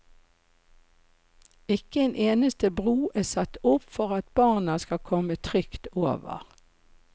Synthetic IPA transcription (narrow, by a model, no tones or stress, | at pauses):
ɪkəeːnʔeːnəst̪əbʁuːʔeːsɑt̪ʊpfɔʁɑt̪̚bɑːʁnɑskɑkʰɔmət̪ʰʁʏkt̪oːʋə̰ʁ